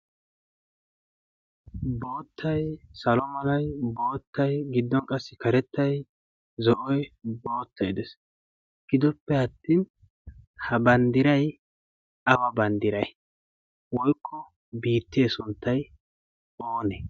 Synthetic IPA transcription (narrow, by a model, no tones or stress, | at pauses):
bo̞ːt̪ʰːɐjsɐlɔmɐlɐjbo̞ːt̪ːɐjɡɪd̪ːɔnkʼɐsːɪkɐɾɛt̪ːɐj | zɔʔɔjbo̞ːt̪ːɐjd̪ɛs | ɡ̥ɪd̪ɔpːɛɐt̪ːiːn | hɐbɐnd̪ɪɾɐj | ɐwɐbɐnd̪ɪɾɐj | wɔjkʰːɔ | biːt̪ːeːsʊnt̪ːɐj | oːnɛ